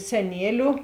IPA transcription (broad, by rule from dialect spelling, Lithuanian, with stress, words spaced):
sʲɛˈnʲiɛlʲʊ